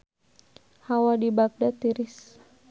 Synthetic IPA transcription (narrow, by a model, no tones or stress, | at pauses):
hawadibak̚dat̪iɾis